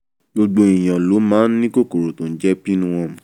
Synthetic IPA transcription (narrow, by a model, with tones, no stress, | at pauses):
ɡ͡bo˧ɡ͡bo˦i˨j̃ã˨lo˨˦mãː˦nĩ˦ko˦˨ko˨ɾo˨tõ˨n̩˦d͡ʒɛ˦pi˦nũ˦w̃ɔ̃˧˨